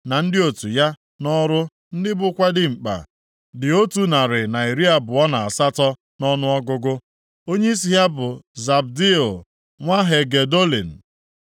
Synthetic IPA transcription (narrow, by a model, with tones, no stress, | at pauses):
na˨n̩˦dɪ˦o˨tu˨ja˦ | nɔ˦ɾʊ˦ | n̩˦dɪ˦bʊ˦kʷa˦dɪ˦ŋ͡m̩˨k͡pa̰˨ | dɪ˨o˦tu˨na˨ɾɪ˨na˨i˨ɾi˦a˦bʊ˨ɔ˦na˨a˨sa˦tɔ˦ | nɔ˦nʊ˦ɔ˦ɡʊ˦ɡʊ˦ | o˦ɲe˦i˦s̬i˨˦ɦa˦bʊ˨za˨bdi˦o˨ | ŋʷa˦ɦe˨ɡe˨do˦lḭ˨n̩˨